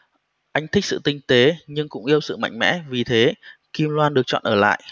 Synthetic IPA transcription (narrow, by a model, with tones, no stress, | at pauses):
ʔa˧jŋ̟t̪ʰï˦˥k̚sɨ̰˧˨t̪ï˧ŋ̟t̪e˨˦ɲɨ˧ŋkʊ̰˧˥ŋ͡mʔi˧əwsɨ̰˧˨ma̰˧jŋ̟mɛ̰˧˥vi˨˩t̪ʰe˨˦ki˧mlwaː˧nɗɨ˨˩ək̚t͡ɕɔ̰˧˨nʔəː˧˩la̰ː˧˨j